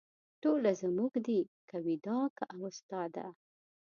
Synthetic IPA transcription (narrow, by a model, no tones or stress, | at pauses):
ʈolazamuɡd̪ikawid̪ɑkaʔawəst̪ɑd̪a̰